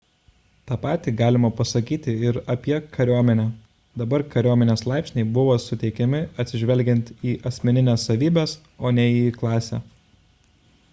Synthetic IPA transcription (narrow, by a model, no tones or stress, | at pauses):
t̪ɑːpɑːt̪ʲiːɡɑːlʲɪmɐpɐsɐkʲiːt̪ʲɪɪɾɐpʲiɛkʰɐɾʲuɔmʲɛnʲɛ | d̪ɐbɐɾkɐɾʲuɔmʲɛnʲeːslˠɑˑɪpʲsʲnʲɛɪbʊʋoːsʊt̪ʲɛɪkʲɛmʲɪɐt̪ʲsʲɪʒʲʋʲɛlʲɡʲɛnʲt̪ʲiːʔɐsʲmʲɛnʲɪnʲeːsːɐʋʲiːbʲeːs | oːnʲɛiːklˠɑːsʲæ̰ː